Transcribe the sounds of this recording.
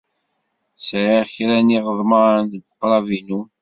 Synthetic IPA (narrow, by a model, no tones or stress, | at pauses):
sʕiçɾæniʁəðˤmɑɾnɡqːɾˤɑvinu